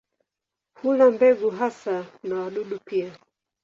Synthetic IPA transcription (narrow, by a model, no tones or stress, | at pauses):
pʰulambɛɡuɦasanawaɗuɗupia